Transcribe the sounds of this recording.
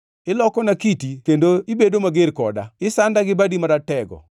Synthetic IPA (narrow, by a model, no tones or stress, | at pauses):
ɪlɔkɔnakitikendoibedomaɡɪɾkɔda̰ɪsandaɡɪbadimaɾatɛɡɔ̰